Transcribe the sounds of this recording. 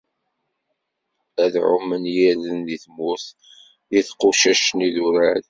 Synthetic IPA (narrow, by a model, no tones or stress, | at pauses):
æðʕʊ̰mːənjilənðiθmʊθ | jiθqʊʃæʃniðuɾæɾ